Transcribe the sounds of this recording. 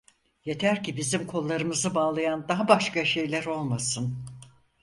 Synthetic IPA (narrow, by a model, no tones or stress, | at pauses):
je̞t̪ʰæɾcʰibizimkʰo̞lˠːaɾɯmɯzɯbaːlˠajand̪aɦabaʃkaʃe̞jlʲæɾo̞lˠmasɯn